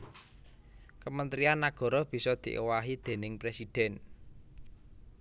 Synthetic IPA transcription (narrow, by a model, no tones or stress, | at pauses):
kəmənt̪ɾianːaɡ̥ɔ̤ɾɔb̥i̤sɔd̪̥i̤ʔewaɦid̪̥e̤nɪŋpɾesid̪̥ɛn